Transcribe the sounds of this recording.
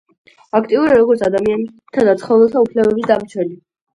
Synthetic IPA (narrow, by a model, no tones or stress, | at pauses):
akʰt̪ʼiuɾaɾɔɡɔɾt̪sʰad̪amian | t̪ʰad̪at̪sʰχɔvɛlˠt̪ʰaupʰlɛbɛbisd̪amt͡ʃʰwɛli